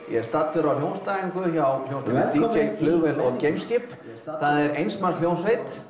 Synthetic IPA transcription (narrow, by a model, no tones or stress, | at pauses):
jɛst̪at̪fʏɾawljownst̪aiŋkʏçawl̥ownst̪aɪt̪it͡ʃejflʏɣvɛlɔɣcejmscɪt̪ | θaðɛɾejnst̪mall̥jownsvejt̪